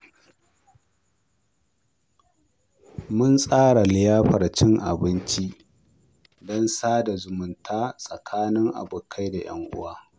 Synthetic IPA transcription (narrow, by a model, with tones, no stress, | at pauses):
mʊ˦nsʼaː˦ɽa˨lɪ˨jaː˦ɸɐ˨rt͡ʃɪ˦ŋʔa̰˨bɪ˦nt͡ʃi˦ʔ | dɔ˦nsaː˦da˨zʊ˨mʊ˨ntʰaː˦sʼɐ˨kʰaː˦nɪ˦ŋʔa̰˨bʊ˨kʰa˦jda˨j̰ɐ̰˦ŋʔʊ̰˦waː˦